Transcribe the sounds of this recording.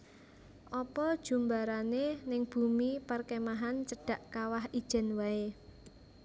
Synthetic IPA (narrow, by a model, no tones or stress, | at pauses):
ʔɔpɔd̥ʒ̥ṳmbaɾanenɪŋb̥ṳmiparkemaɦant͡ʃəɖ̥a̤ʔkawahid̥ʒ̥ɛ̤nwae